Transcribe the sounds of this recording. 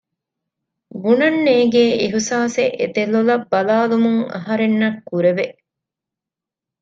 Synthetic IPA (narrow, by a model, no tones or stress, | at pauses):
ɡunɐnːeːɡeːiɦusaːsḛʔḛt̪elːolɐbːɐlaːlumuŋɐ̰ɦɐɾenːɐkːuɾeʋeʔ